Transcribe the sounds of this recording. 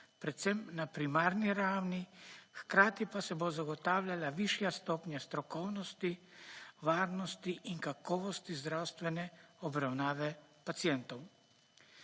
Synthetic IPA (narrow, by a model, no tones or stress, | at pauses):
pɾɛt̪sɛmnapɾimaːɾniɾaːwnixkɾaːt̪ipasɛbozaɡɔt̪aːwlʲjalaʋiʃjast̪ɔːpnjast̪ɾɔkɔwnɔst̪i | ʋaːɾnɔst̪iʔiŋkakɔːʋɔst̪izd̪ɾawst̪ʋɛnɛɔbɾawnaːʋɛpat̪sijɛnt̪ɔw